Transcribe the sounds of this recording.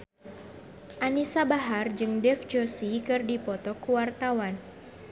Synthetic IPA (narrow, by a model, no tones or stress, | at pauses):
ʔanisabaɦard͡ʒɨŋdɛfd͡ʒosikɨrdipɔt̪ɔkuwart̪awan